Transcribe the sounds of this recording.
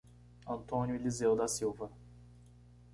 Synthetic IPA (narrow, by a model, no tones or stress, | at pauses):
ɐ̃nt̪õnʲjʊlizewd̪ɐsiwvɐ